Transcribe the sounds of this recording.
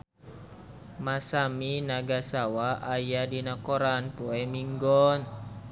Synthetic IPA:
masaminaɡasawaʔajadinakɔɾanpuɛmiŋɡɔn

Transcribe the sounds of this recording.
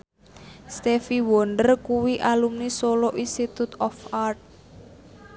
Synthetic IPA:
st̪efiwɔɳɖərkuwiʔalumnisoloʔinst̪it̪ut̪ɔfart̪̚

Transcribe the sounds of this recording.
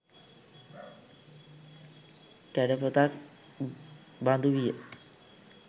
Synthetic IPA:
kæɖəpət̪ak̚ | band̪uʋijə

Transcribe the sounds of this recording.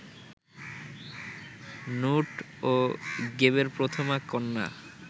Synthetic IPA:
nuʈ | oɡeβeɾpɾot̪ʰomakɔnːa̰

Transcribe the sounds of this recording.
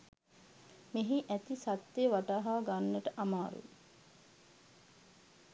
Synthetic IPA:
meɦiʔæt̪isat̪ːeʋaʈaːɦaːɡanːəʈəʔamaːɾṵ

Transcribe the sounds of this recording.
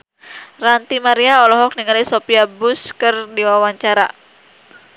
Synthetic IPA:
rant̪imaɾiaɔlɔɦɔk̚niŋalisopiabuskɨrdiwawaɲt͡ʃaɾa̰

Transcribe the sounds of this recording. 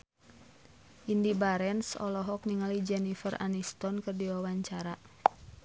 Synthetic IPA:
ʔindibaɾɛnsɔ̰lɔɦɔk̚niŋalid͡ʒɛnifəra̰nist̪ɔnkɨrdiwawaɲt͡ʃaɾa

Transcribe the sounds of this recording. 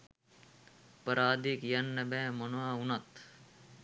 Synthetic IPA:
pɐɾaːd̪ikjɐnːɐbẽːmɐnaːunɐt̪

